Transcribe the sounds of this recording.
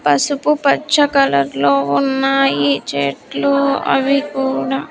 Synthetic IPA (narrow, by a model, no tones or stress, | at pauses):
pɐsupupɐt͡ʃːɐkɐlɐɾlo̞ːunːaːjit͡ʃeːʈluɐ̰ʋikuːɽa